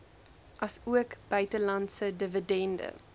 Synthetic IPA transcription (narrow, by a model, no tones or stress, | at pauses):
ʔɐsuəkb̥œɥtəlɐntsədəvədɛndə̰